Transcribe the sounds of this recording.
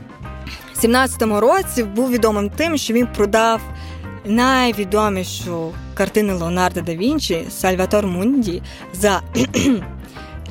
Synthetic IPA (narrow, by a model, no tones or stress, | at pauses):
sʲimnɑt͡sʲɐ̥t̪ɔmʊɾɔt͡sʲibuwʋʲid̪ɔmɪmt̪ɪmʃt͡ʃɔʋʲinpɾɔd̪ɑw | nɐjʋʲid̪ɔmʲiʃʊkɐrt̪ɪnʊlˠeɔnɑrd̪ɐd̪ɐʋʲinʲt͡ʃisɐlʲʋɐt̪ɔrmunʲdʲi | zɐ